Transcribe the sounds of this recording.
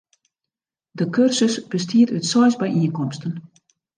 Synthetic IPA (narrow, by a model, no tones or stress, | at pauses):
dəkʰørsəsb̥əstʰiətytsɔjzbɛjʔiənkɔmstən